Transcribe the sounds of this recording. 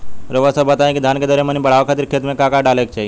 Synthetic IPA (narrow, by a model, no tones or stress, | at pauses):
ɾəʋəsəbət̪aːjẽkid̪ʱaːnked̪ɔːɾemənĩbəɽ̤aːʋkʰaːt̪iɾkʰeːt̪mẽkakaɖaːlekt͡ʃaːɦi